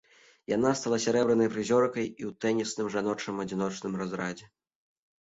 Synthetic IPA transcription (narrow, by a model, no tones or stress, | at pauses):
jan̪ast̪alˠasʲaɾɛbɾɨnɐjpɾɨzʲɔrkɐjiwt̪ɛnʲisnɨmʐan̪ɔt͡ʂ̪ɨmɐd͡zʲin̪ɔt͡ʂnɨmrazɾad͡zʲɛ